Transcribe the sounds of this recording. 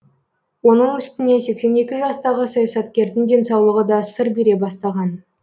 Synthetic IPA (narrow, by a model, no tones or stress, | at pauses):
wo̞nəɴʏst̪ɪne̞se̞kse̞ne̞kʲɪʒɑst̪ɑʁəsɑjɑsɑt̪kʲe̞ɾd̪ɪnd̪e̞nsɑwlˠəʁəd̪ɑsəɾbeɾe̞bɑst̪ɑʁɑn